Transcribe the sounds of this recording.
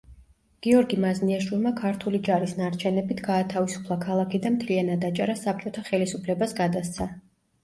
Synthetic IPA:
ɡ̥iɔɾɡimazniaʃwilˠmakʰaɾt̪ʰulid͡ʒaɾisnaɾt͡ʃʰɛnɛbit̪ʰɡaːt̪ʰavisu̥pʰlˠakʰalˠakʰid̪anmt̪ʰlianad̪at͡ʃʼaɾasap̚ʰt͡ʃʼɔt̪ʰaχɛlisupʰlɛbasɡad̪ast̪sʰa

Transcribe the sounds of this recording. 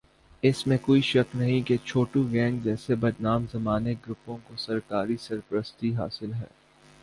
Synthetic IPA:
ɪsmẽkoːiʃɐknɐɦĩket͡ʃʰoːʈũɡɛ̃ːŋɡd͡ʒɛːsebɐd̪naːmzɐmaːneɡɾʊpõkosɐɾkaːɾisɐɾpəɾəst̪iɦa̰ːsɪlɦɛ̰ː

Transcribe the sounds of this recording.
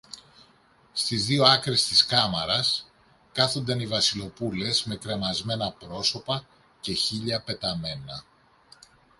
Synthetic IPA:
st̪izðio̞ɐkɾe̞st̪iskɐmɐɾɐs | kɐθo̞nd̪ɐnivɐsilo̞pule̞sme̞kɾemɐzme̞nɐpɾo̞so̞pɐ | ce̞çiʎɐpe̞t̪ɐme̞nɐ

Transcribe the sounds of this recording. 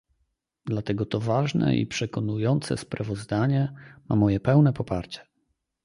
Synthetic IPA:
d̪lat̪ɛɡɔt̪ɔvaʐnɛ̰ʔḭpʂɛkɔnujɔnt̪sɛ̰spɾavɔzd̪aɲɛma̰mɔjɛpɛwnɛpɔpaɾt͡ɕɛ̥

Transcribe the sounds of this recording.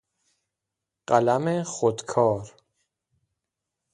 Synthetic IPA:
ɢalameχod̪kʰɒːɾ

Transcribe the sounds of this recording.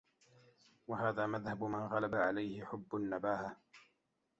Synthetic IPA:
waɦaːðaːmaðhabmanɣalabaʕalajhɪħʊbːʊnːabaːha

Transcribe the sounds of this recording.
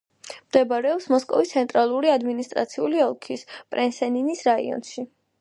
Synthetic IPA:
md̪ɛbaɾɛɔpsmɔskʼɔ̰vist̪sʰɛnt̪ʼɾalˠuɾiad̪minist̪ʼɾa̰t̪sʰiuliɔlˠkʰispʼɾɛnsɛninisɾaḭɔ̰nʃi

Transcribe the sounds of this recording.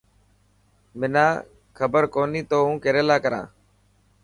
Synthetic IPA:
mɪnaː | kʰəbəɾkoːniːt̪oːɦũːkeɾeːlaːkəɾã̰ː

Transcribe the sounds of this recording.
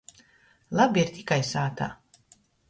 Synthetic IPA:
lˠabiiɾt̪ʲikajsaːt̪a̰ː

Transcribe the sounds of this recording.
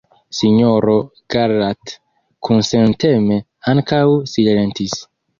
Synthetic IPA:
siɲoɾoɡ̥aɾat | kʰunsenteme | aŋkawsillentis

